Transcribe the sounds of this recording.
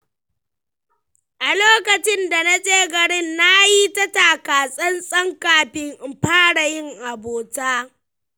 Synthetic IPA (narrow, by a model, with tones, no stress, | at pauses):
ʔa˨loː˦kɐ˨t͡ʃɪ˦nda˨na˦sʼeː˦ɡɐ˨ɽɪ˦nːa˦ji˦tɐ˦taː˨kaː˨sʼɐ˦nsʼɐ˦ŋkaː˨ɸɪ˦ŋʔɸaː˦ɽa˨jɪ˦ŋʔa˨boː˨taː˦